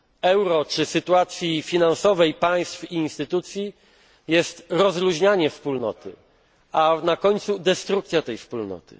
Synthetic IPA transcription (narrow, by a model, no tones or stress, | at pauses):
ɛwɾɔt͡ʂɘsɘt̪uat̪sʲjifʲinansɔvɛjpaj̃st̪fiːnst̪ɘt̪ut̪sʲji | jɛst̪ɾɔzɾuʑɲaɲɛfspulnɔ̰t̪ɘ̰ | anakɔɲt̪sud̪ɛst̪ɾuk̚t̪sʲjat̪ɛjfspulnɔ̰t̪ɘ̰